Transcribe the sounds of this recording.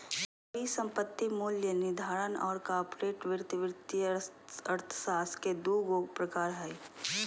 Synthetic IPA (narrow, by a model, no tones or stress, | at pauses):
b | əɾisə̃mpət̪ːimuːljənɪd̪ʱaːɾənɔ̰ːɾkaːpɾeːʈʋɪɾt̪ʋɪɾt̪iəɾt̪ʰsaːsked̪uːɡoːɡpɾəkaːɾɦɛi